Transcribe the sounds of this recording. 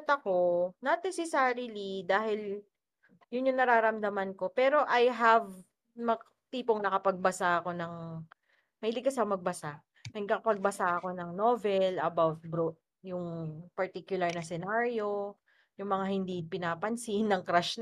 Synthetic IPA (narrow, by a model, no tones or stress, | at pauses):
t̪ɐko̞nɐnɛsɛsaɾilid̪aːhɪl | jʊnjʊŋnɐɾaːɾɐmd̪ɐmɐnko̞pɛːɾo̞ʔɐjɦɐv | mɐ | t̪iːpoŋnɐkɐpɐɡ̚bɐsaʔɐko̞nɐŋ | mɐjlɪɡkːɐsamɐɡ̚bɐsa | nɐɡ̚k̪ɐkɐpɐɡ̚bɐsaʔɐko̞nɐŋnovɛlɐbawt̪̚bɾot̪̚ | jʊŋpɐɹt̪ikjʊlɐɹnɐsɛnaɹjo̞ | jʊŋmɐŋahɪnd̪ipɪnaːpɐnsinːɐŋkɾaʃn